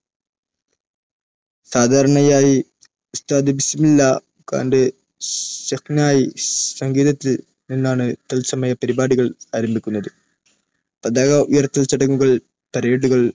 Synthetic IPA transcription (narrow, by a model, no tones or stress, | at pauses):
saːd̪ʱaːɾɐɳɐjaːji | ust̪aːd̪ibisɐmilːa | ka̰ːnde̞ | ɕɐknaːjisɐŋɡiːd̪ɐt̪ːil | ninːaːɳɨt̪elsɐmɐjɐpɐɾibaːɽiɣɐɭaːɾɐmbʱikʲːunːɐðɨ | pɐd̪aːɣɐujɐrt̪ːɐlt͡ɕɐɽɐŋːuɣɐɭ | pɐɾeːɽuɣɐɭ